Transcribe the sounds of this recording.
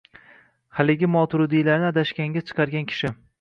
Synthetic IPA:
halɪɡʲɪmɒt̪ʰʊɾʊd̪ijlaɾnɪad̪aʃkʲaŋɡʲat͡ʃʰɨ̥qʰɑɾɡʲankʲʰɪ̥ʃɪ

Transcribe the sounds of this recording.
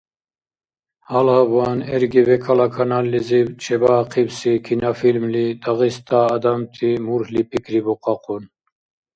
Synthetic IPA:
halhabanɛɾɡivɛkʰalakʰanalːizit͡ʃʰɛbaːqʰibsikʰinafilmlid̪aɣist̪ʰʼaːd̪amt̪ʰimuɾhlipʰikɾibɔqʼɑqʼɔn

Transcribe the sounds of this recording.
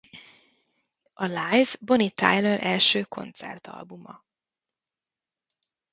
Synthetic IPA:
ʔɒlajvbonit̪a̰jløɾʔɛlʃøːkʰo̞̰nt̪sɛ̰rt̪ɒ̰lbumɒ

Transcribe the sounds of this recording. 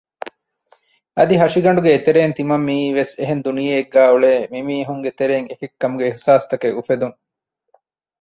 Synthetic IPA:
ɐd̪iɦɐʃiɡɐɳ̆ɖuɡeːt̪eɾeːnt̪imɐmːiːʋeseɦend̪unijeːɡːæːuɭeːmimiːɐɦuŋɡet̪eɾeːŋekikːɐmuɡeihsaːst̪ɐkeufed̪uŋ

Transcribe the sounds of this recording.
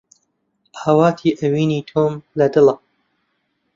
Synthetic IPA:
hɐwɑːt̪ʰiːʔɐwiːniːt̪ʰoːmlɐd̪ɨlɐ

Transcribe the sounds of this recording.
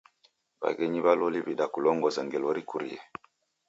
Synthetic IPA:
ba̰ɡɛɲiβalɔliβiɗakulɔŋɡɔzaŋɡɛlɔɾikuɾiɛ̰

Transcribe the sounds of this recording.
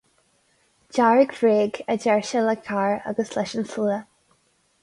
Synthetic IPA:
d͡ʒaɹɪɡv̥ɹeːɡəd͡ʒɛɹʃələkʰaːɹə̰ɡəslɛʃənsuə

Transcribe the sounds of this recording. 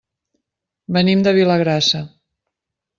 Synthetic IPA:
bənimd̪əβiləɣɾasə

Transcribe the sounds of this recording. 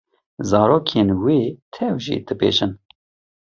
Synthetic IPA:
zɑːɾoːkʰenweːt̪ʰɛwʒḭːd̪̥ɨbḛːʒɨn

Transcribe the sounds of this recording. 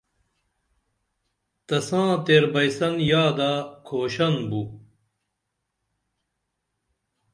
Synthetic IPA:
t̪ɐsãːt̪eːɾbɐjsɐnjaːd̪aːkʰoːɕɐnbu

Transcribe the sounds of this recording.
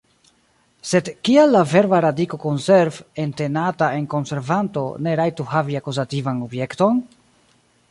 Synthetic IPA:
se̞dkialːave̞ɾvaɾadiko̞ko̞nse̞ɾve̞nte̞nataʔe̞nko̞nse̞ɾvanto̞̰ne̞ɾajtuhaviakuzativanobje̞kto̞n

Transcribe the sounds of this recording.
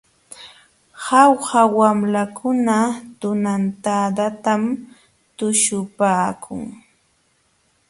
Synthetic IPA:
hawhawamlakʰʊnat̪ʊnant̪ad̪at̪am | t̪ʊʃʊpaːkʰʊ̰ŋ

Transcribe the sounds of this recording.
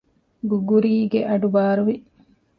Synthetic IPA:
ɡuɡuɾiːɡeʔɐɖubaːɾuʋi

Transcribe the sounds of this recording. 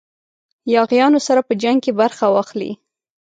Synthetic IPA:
jɑɣjɑnosaɾapəd͡ʒaŋɡ̚kebaɾxawɑxlḭ

